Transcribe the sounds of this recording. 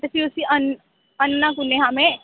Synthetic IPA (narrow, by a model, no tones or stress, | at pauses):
t̪əsiʊsiən | ənːãkʊneɦãːmẽ